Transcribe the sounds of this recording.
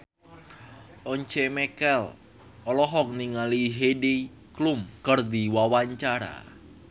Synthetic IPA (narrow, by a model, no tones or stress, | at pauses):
ʔɔɲt͡ʃemɛkɛl | ɔlɔɦɔk̚niŋaliɦedi | klumkərd̪iwawaɲt͡ʃaɾa̰